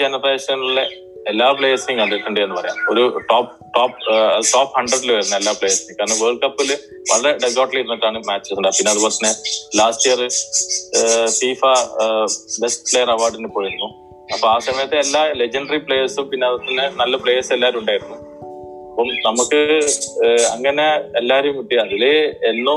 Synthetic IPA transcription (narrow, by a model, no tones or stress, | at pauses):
d͡ʑenɐreːsɐenːuɭːɐ | elːaːpɭeːɐsiŋɐliʈːuɳɖienːɨpɐrɐja̰ːmoɾuʈoːp̚ | ʈoːpɐʈoːphɐɳɖrɐɖilɨʋɐjiɾunːɐelːaːpɭe̞ːjɐsikaːɾɐnɐʋeːrkːɐpːil | ʋɐ̰ɭɐɾe̞ɖeɡoːʈliɾunːɐʈːaːɳɨmaːt͡ɕːesuɳɖaːpinːeɐðɨkɐrɐt̪ːɐnːelaːsʈijɐrɨ | fiːfɐ | be̞sʈplejɐrɐʋaːrɖinepːoːɻiɾunːu | ɐpːɐmaːsɐmɐjɐt̪ːe̞ːlːale̞d͡ʑɐɳɖɐripɭeːjɐsumpinːe̞ɐðɐt̪ːɐnːɨnɐlːɐpɭe̞ːjɐselːaːɾumuɳɖaːjiɾunːu | ɐpːomnɐmukːɨ | ɐ̰ŋːɐne̞elːaːɾejumʋiʈːiɐðileenːu